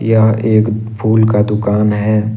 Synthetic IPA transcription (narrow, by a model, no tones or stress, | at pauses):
jaeːk | pʰuːlkad̪ʊkaːnɦɛː